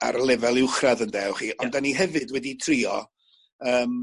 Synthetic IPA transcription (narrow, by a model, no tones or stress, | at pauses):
a̰ɾlˠɛvɛlˠɪwχraðəndɛwχiːʔɔndaniɦɛvɨdwɛditʰriːɔ̰ | əːm